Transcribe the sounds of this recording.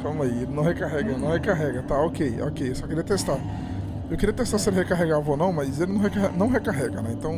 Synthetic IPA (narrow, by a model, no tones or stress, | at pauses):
kɐ̃mɐielɪnɐ̃w̃hekaɦɛɡɐnɐ̃w̃hekaɦɛɡɐt̪aokejo̰kejewsɔkeɾiɐt̪est̪a | ewkeɾiɐt̪est̪aselɪhekaɦeɡavɐonɐ̃w̃mɐjzelɪnɐ̃w̃ɦekaɦɛnɐ̃w̃ɦekaɦɛɡɐnɛẽnt̪ɐ̃w̃